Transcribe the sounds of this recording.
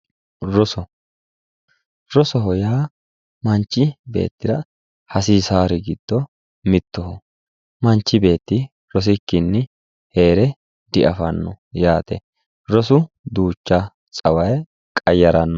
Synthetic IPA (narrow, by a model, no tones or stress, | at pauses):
ɾɔsɔ | ɾɔsɔɦɔjaː | mɐnt͡ʃːɪbe̞̰ːt̪ːɪɾɐ | hɐsiːsaːɾɪɡɪd̪̥ːɔ | mɪt̪ːɔhɔ | mɐnt͡ʃːɪbe̞ːt̪ːɪ | ɾɔs̬ɪkːɪnːɪ | he̞ːɾɛ | d̪ɪʔɐfɐnːɔ̰ | jaːt̪ɛ̰ | ɾɔsʊ | d̪uːt͡ʃːɐ | t͡sʼɐwɐj | kʼɐjːɐɾɐnːɔ